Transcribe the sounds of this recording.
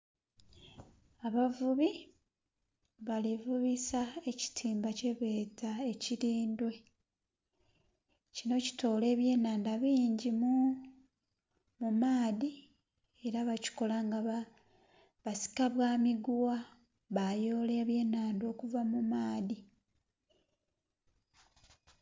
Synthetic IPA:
aβavuβi | βalivuβisaeci̥tʰiːmbace̞βe̞ːzae̞ciɾiːndwe̞ | cino̞ci̥to̞ːle̞ːβje̞ːnaːndaβiːɲɟimu | mumaːði | e̞ɾaβaci̥ko̞laŋɡaβa | βasi̥kaβwaːmiɡuwa | βajo̞ːleβje̞ːnaːndo̞ːkuvamumaːði

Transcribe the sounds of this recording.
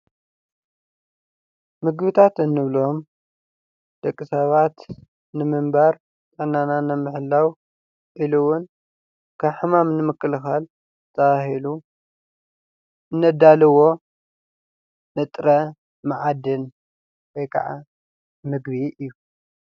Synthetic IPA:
mɨɡβɨt̪ʰat̪ɨnːɨβlo̞m | d̪̥ɐkʼːisɐβat̪ | nɨmɨmbaɾ | t̪ʼɨʕnːananɨmɨħɨlːaw | ʔiluwʊn | kʰɐβħɨmamnɨmɨkʰʼːɨlɨxal | zɨt̪ʰɐβahilu | ʔɨnːɐd̪alɨwo̞ | nɨt̪ʼɾɐ | maʕad̪ɨn | wojkʰa̰ʕa̰ | mɨɡβiɨjːu

